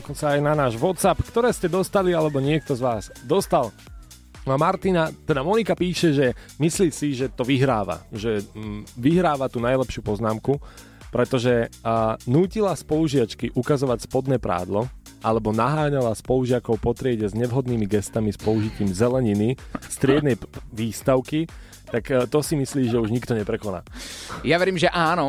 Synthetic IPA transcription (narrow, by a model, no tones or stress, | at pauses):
ɔkɔnsaːjnanaːʒʋɔt̪sapkt̪ɔɾɛːscɛd̪ɔst̪alialɛbɔɲɪɛk̚t̪ɔzʋaːzd̪ɔst̪alˠ | maɾt̪inat̪ɛd̪amɔnikapiːʃɛʒɛmisliːsiʒɛt̪ɔʋiɦɾaːʋa̰ʒɛʋiɦɾaːʋat̪unajlɛpʃɪuːpɔznaːmku | pɾɛt̪ɔʒɛ | nuːcilaspɔluʒɪat͡ʃkiʔukazɔʋacspɔd̪nɛːpɾa̰ːd̪lɔ | ʔalɛbɔnaɦaːɲalaspɔluʒɪakɔʊpɔt̪ɾɪɛɟɛzɲɛʋɦɔd̪niːmiɡɛst̪amispɔuʒiciːmzɛlɛɲinist̪ɾɪɛd̪nɛjʋiːst̪aʊki | t̪akːt̪ɔsimisliːʒɛuʒɲikt̪ɔɲɛpɾɛkɔna̰ːjaʋɛɾiːmʒɛʔaːnɔ